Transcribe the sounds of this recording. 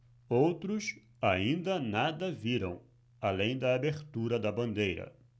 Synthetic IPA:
owt̪ɾʊs | aĩnd̪ɐnad̪ɐviɾɐ̰̃w̃ | alẽj̃d̪ɐabeɾt̪uɾɐd̪ɐbɐ̃nd̪ejɾɐ̰

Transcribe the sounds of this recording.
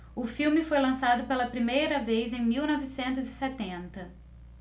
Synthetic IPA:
ʊfiwmɪfojlɐ̃sad̪ʊpelɐpɾimejɾɐvejzẽj̃miwnɔvɪsẽnt̪ʊzɪsɛt̪ẽnt̪ɐ

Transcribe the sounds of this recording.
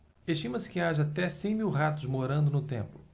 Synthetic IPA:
eʃt͡ʃĩmɐsɪ̥kɪaʒɐaːt̪ɛsẽj̃miwɦat̪ʊzmoɾɐ̃nd̪ʊnʊt̪ẽmplʊ

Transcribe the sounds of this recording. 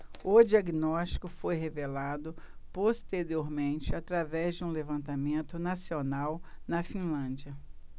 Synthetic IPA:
ʊd͡ʒiaɡinɔst͡ʃi̥kʊfojɦevelad̪ʊpost̪eɾioɾmẽnt͡ʃɪat̪ɾavɛzd͡ʒɪũlevɐ̃nt̪amẽnt̪ʊnasionawnɐfĩlɐ̃d͡ʒiɐ

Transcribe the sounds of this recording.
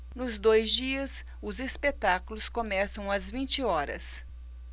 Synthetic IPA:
nʊzd̪ojzd͡ʒiɐs | ʊzespet̪akulʊskomɛsɐ̃w̃ɐzvĩnt͡ʃɪɔɾɐ̰s

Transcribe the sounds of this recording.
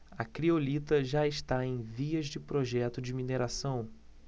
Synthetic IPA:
ɐkɾiolit̪ɐʒaɪʃt̪aẽj̃viɐzd͡ʒɪpɾoʒɛt̪ʊd͡ʒɪmineɾasɐ̃w̃

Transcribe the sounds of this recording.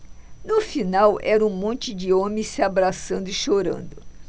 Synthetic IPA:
nʊfinawɛɾɐũmõnt͡ʃɪd͡ʒɪõmɪ̃sɪabɾasɐ̃nd̪ʊɪʃoɾɐ̰̃nd̪ʊ

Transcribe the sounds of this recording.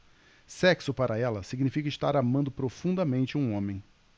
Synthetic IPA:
sɛksʊpaɾʔɐɛlɐsiɡnifikɐɪst̪aɾamɐ̃nd̪ʊpɾofũnd̪ɐmẽnt͡ʃɪũõmẽj̃

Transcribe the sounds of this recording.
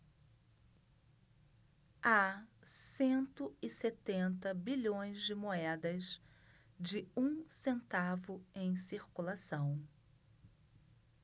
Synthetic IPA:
asẽnt̪ʊɪset̪ẽnt̪ɐbiʎõj̃zd͡ʒɪmoɛd̪ɐz | d͡ʒɪũsẽnt̪avʊẽj̃siɾkulasɐ̃w̃

